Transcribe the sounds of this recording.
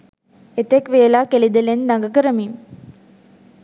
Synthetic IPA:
et̪ekʋeːlaːkelid̪ɐlend̪ɐŋɡɐkɐɾɐmim

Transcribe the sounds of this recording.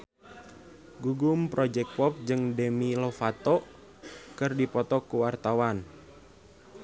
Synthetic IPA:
ɡuɡumpɾɔd͡ʒɛk̚pɔp̚d͡ʒɨŋdemilɔfat̪ɔ | kɨrdipɔt̪ɔkuwart̪awan

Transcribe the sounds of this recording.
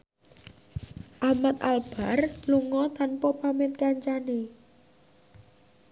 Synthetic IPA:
ʔahmat̪̚alb̥a̤rluŋɔt̪anpɔpamet̪̚kaɲt͡ʃane

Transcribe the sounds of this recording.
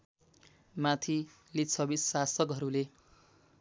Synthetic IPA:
mat̪ʰi | lit͡sʰʌbisːasʌkɦʌɾule

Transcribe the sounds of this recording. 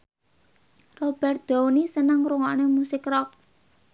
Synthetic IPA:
rob̥ɛr̚d̪̥ɔ̤wnisənəŋɾuŋɔʔnemusɪkrɔk̚

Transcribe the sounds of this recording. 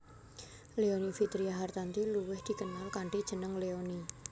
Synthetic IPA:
leonifit̪ɾiaɦart̪ant̪iluwɪhd̪̥i̤kənalkaɳɖid̥ʒ̥ə̤nəŋleoni

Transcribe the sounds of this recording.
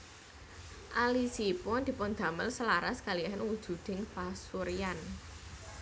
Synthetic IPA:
ʔalisipʊnd̪̥i̤pʊnd̪̥a̤məlsəlaɾasə̥kaliaɦɪnwud̥ʒ̥ṳd̪̥ɪ̤ŋfasuɾijan

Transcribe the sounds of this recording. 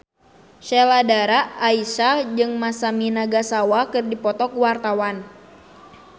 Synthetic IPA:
ʃɛladaɾaʔːisad͡ʒɨŋmasaminaɡasawakɨrdipɔt̪ɔkuwart̪awan

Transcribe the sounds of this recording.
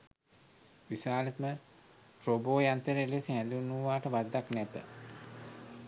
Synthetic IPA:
ʋisaːlət̪mə | ɾoboːjant̪əɾelesiɦɛnd̪unːuʋaːʈəʋad̪ːaknæt̪ə̰

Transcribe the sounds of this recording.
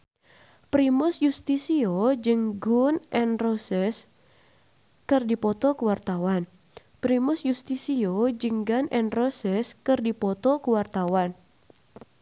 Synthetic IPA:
pɾimʊsjust̪isiod͡ʒɨŋɡʊnʔɛnrosɛs | kɨrdipɔt̪ɔkuwart̪awan | pɾimʊsjust̪isiod͡ʒɨŋɡanʔɛnrosɛskɨrdipɔt̪ɔkuwart̪awan

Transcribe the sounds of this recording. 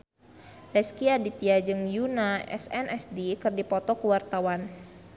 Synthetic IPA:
rɛskiadit̪iad͡ʒɨŋjunaɛ̰sɛnʔɛsdikɨrdipɔt̪ɔkuwart̪awan

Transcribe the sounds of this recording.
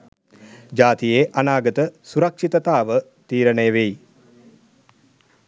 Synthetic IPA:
d͡ʒaːt̪ijeːʔanaːɡət̪əsuɾɐkʂit̪ət̪aːʋət̪iːɾənəjəʋej

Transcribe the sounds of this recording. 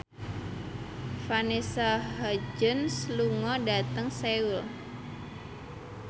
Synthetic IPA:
fanisaɦad͡ʒənsluŋɔdat̪əŋseul

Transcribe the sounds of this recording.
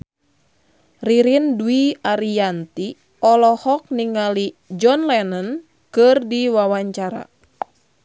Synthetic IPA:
riɾinduiaɾiant̪i | ɔlɔhɔk̚niŋali | d͡ʒɔnlɛnən | kɨrdiwawaɲt͡ʃaɾa̰

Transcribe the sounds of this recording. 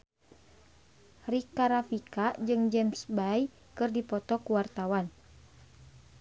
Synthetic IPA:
rikaɾafikad͡ʒɨŋd͡ʒɛmsbaj | kɨrdipɔt̪ɔkuwart̪awan

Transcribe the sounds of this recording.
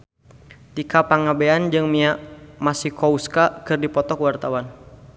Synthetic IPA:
t̪ikapaŋabeand͡ʒɨŋmiaʔmasihkɔuskakɨrdipɔt̪ɔkwart̪awan

